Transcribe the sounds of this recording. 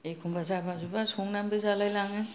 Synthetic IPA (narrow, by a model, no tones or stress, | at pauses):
ekʰumbazabazubasuŋnambɯzalajlaŋɯ